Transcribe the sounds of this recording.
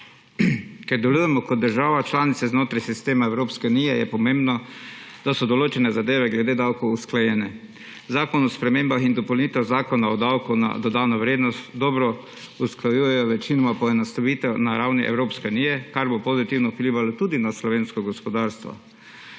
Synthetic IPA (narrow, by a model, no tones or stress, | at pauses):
kɛɾd̪ɛlujɛmɔkɔd̪̚d̪əɾʒaːʋat͡ʃlaːnit̪sɛznoːt̪ɾajsist̪eːmaɛwɾoːpskɛunijɛjɛ̰pɔmẽmbnɔd̪̥asɔd̪ɔloːt͡ʃɛnɛzad̪eːʋɛɡlɛd̪eːd̪awkowusklajɛnɛ | zaːkɔnɔspɾɛmeːmbaxind̪ɔpowlnit̪ɛwzaːkɔnaɔd̪awkuna̰d̪ɔd̪aːnɔʋɾeːd̪nɔst̪d̪ɔbɾɔ | usklajujɛjɔʋɛt͡ʃinɔmapɔɛnast̪aʋiːt̪ɛwnaɾawniʔɛ̰wɾoːpskɛuniːjɛkaɾbopozit̪iwnɔpliːʋalɔt̪ud̪inaslɔʋeːnskɔɡɔspɔd̪aɾst̪ʋɔ̰